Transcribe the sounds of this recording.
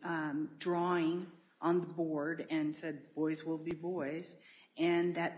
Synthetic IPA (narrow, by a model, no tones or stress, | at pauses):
dɹɔɪ̃ŋ | ʔə̃nðəbɔɹɾɨ̃nsɛd̚bɔɪzwɪlˠbibɔɪz̥ | ʔɨ̃nðɨt̚